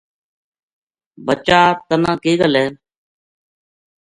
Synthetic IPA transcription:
bət͡ʃaːt̪ənãːkiːɠəleːn

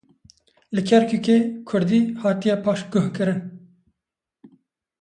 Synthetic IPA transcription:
lɨkʰɛɾkʰukekʰʊɾd̪iːhɑːt̪ijɛpʰɑːʃɡ̥ʊhkɨɾɨn

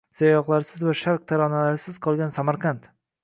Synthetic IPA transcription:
z̥ajɒqlˠaɾɪsɪzvaʃaɾq̚t̪ʰaɾɒnalaɾɪsɪz̥qʰɒlˠɡʲansamaɾqɑnt̪

